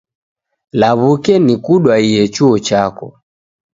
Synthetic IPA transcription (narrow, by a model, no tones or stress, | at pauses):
laβukɛnikuɗwaiɛt͡ʃuɔt͡ʃakɔ